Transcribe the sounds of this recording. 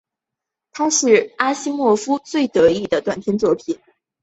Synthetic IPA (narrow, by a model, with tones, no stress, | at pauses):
t̪ʰa˥ʂɻ̩˥˩a˥ɕi˥mwɔ˥˩fu˥t͡swe˥˩ɪt̪ɤ˧˥i˥˩d̪ə˩t̪wa˨˩nt̪ʰjɛ˥nt͡swɔ˥˩pʰi˨˩˦n